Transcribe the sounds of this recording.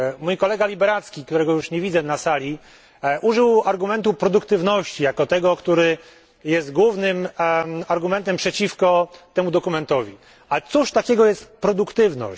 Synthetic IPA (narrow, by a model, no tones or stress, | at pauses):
mujkɔlɛɡalʲibɛɾat̪skʲik̚t̪uɾɛɡɔjuʂɲevʲid̪zɛnasalʲi | ʔuʐɘwaɾɡumɛnt̪upɾɔd̪ukt̪ɘvnɔɕt͡ɕijakɔt̪ɛɡɔkt̪uɾɘ | jɛst̪ɡwuvnɘmaɾɡumɛnt̪ɛmpʂɛt͡ɕifkɔt̪ɛmud̪ɔkumɛnt̪ɔvʲi | at̪suʂt̪akʲɛɡɔjɛst̪pɾɔd̪ukt̪ɘvnɔ̰ɕ